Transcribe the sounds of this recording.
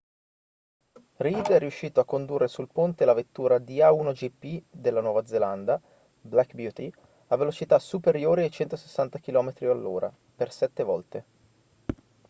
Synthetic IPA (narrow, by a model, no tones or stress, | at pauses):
rid̪ɛrːiuʃːiːt̪oakːond̪urːesulpont̪elavet̪ːuːɾad̪iaunod͡ʒipːid̪elːanwɔːvad̪zeland̪a | blakbjuːt̪i | avːelot͡ʃit̪asupeɾjoːɾiajt͡ʃɛnt̪ose̥sːant̪ak̟ilɔːmet̪ɾialːoːɾʔa̰ | persɛt̪ːevɔlt̪e